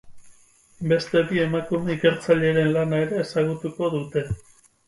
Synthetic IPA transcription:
be̞st̪e̞bie̞makume̞ike̞ɾt͡saʎe̞ɾe̞nlanae̞ɾe̞ːsaɣ̞ut̪uko̞ðut̪e̞

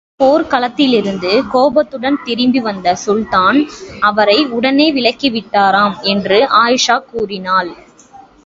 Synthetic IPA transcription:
poːɾkɐlɐt̪ːɪlɪɾɯnd̪ɯkoːbɐt̪ːɯɽɐnt̪ɪɾɪmbiʋɐnd̪ɐsʊlt̪aːnɐʋɐɾɐɪʊɽɐneːʋɪɭɐkːiʋɪʈːaːɾaːmɛndrɯʔaːjɪʂaːkːuːrɪnaːl

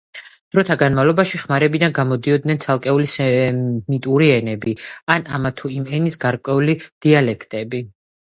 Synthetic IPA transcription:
d̪̥ɾɔt̪ʰaɡanmavlˠɔbaʃiχmaɾɛbid̪anɡamɔd̪iɔd̪nɛnt̪sʰalˠkʼɛulisɛmit̪ʼuɾiɛnɛbianamat̪ʰuimɛnisɡaɾkʼwɛulid̪̥ialɛkʰt̪ʼɛbi

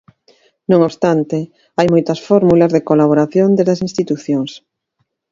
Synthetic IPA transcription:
nõŋoβst̪ant̪e | ajmojt̪ɐsfɔɾmulazðekolaβ̞oɾaθjond̪ezðɐsĩnst̪it̪uθjoŋs

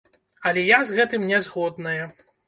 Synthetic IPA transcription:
ɐlʲɛjazɣɛt̪ɨmnʲɛzɣɔd̪̚nɐjɐ

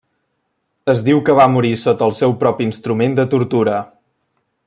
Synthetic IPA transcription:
əzd̪iwkəβamuɾisot̪əlˠsɛwpɾɔpiinst̪ɾumend̪ət̪uɾt̪uɾə

